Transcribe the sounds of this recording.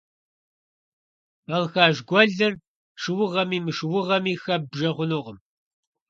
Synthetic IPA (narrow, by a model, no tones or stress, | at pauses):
bɐlxaːʒɡʷɔɮɐr | ʂɨwʊʁɐmiːmɨʂɨwʊʁɐmiːxɐb̚bʒɐʁʷʊnoːʁəm